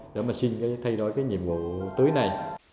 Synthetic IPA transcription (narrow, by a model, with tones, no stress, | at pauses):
ɗḛ˧˦maː˨˩si˧nkaː˨˦jt̪ʰa˧jɗo̰˧˩˦jkaː˨˦jɲḭ˧˨əmvṵ˧˨t̪ɨ˨˦jna˨˩j